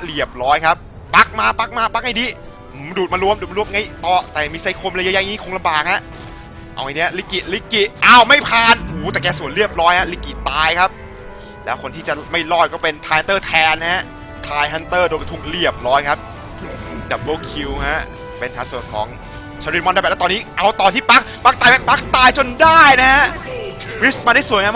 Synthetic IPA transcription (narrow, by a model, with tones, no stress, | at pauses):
li˨˩əp̚ɾɔː˦˥jkʰa˦˥p̚ːa˦˥k̚maː˧˥˩pa˦˥k̚maː˧˥˩k̚pa˧˥k̚ha˥˩jdiː˧˩ | ʔɯ˨˩˦duː˨˩t̪̚maː˧lu˧˥əmduː˨t̪ma˧lu˧˥əmŋa˧˥˩jt̪ɔː˨˧˩t̪ɛː˨˩miː˧sa˨˦jkʰo˧mː˧ja˦˥ja˧˥jiː˦˥kʰo˧ŋla˧mbaː˨˩k̚ha˦˥ʔ | ʔa̰˧wʔa˧˩ni˦˥ɐ˧li˦˥kːi˨˩t̪̚li˦˥kːi˨˩ʔaː˧˩wma˥˩jpʰaː˧˩nhuː˨˦t̪ɛː˨˩kɛː˧˩su˨˩˦ənɾi˥˩əp̚ɾɔː˦˥jha˦˥li˦˥kːi˨˩t̪aː˧jkʰa˦˥p̚ | lɛː˦˥wkʰo˧nt̪ʰiː˥˩t͡ɕa˨˩ma˥˩jlɔː˥˩jkɔː˥˩pe˧nt̪ʰaː˧ja˧nt̪ɤː˥˩t̪ʰɛː˧nha˦˥ʔ | t̪ʰaː˧jɦa˦˥nt̪ɤː˥˩doː˧jka˧˩t̪ʰu˨˩k̚ɾi˥˩əp̚ɾɔː˦˥jkʰa˦˥p̚ | dɛ˨˩p̚ɡoː˧˩kʰi˧wɦa˦˥ʔ | pe˧nt̪ʰaː˨˦ŋsu˨˩ənkʰɔ̰ː˩˦ŋ | t͡ɕʰa˧ɾi˦˥mɔ˧nda˧b̚ːt̪ɔː˧nːiː˦˥ʔa˧wt̪ɔː˧nt̪iː˥˩pa˦˥k̚pa˦˥k̚t̪aː˧jma˦˥˩pa˦˥k̚t̪aː˧jt͡ɕo˧ndaː˥˩jna˦˥ɦa˦˥ | wi˦˥smaː˧da˥˩su˨˦ŋa˧m